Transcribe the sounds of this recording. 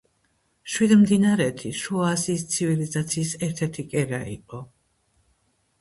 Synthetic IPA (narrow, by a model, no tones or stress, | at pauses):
ʃwid̪md̪inaɾɛt̪ʰiʃuasiːst̪sʰivilizat̪sʰiːsɛɾt̪ʰɛɾt̪ʰikʼɛɾaḭqʼɔ